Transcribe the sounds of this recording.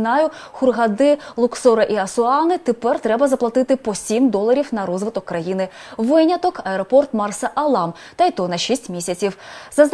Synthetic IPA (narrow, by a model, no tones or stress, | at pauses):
nɑjʊxʊrɦɐd̪ɪlˠʊksɔɾɐʔiɐsʊɑnɪt̪epɛrt̪ɾɛbɐzɐplˠɐt̪ɪt̪ɪpɔsʲimd̪ɔlˠɐɾʲiwnɐɾɔzʋɪt̪ɔkːɾɐjinɪ | ʋɪnʲɐt̪ɔkɐɛɾɔpɔrt̪mɑrsɐʔɐlˠɑm | t̪ɐjt̪ɔnɐʃisʲtʲmʲisʲɐt͡sʲiwzɐz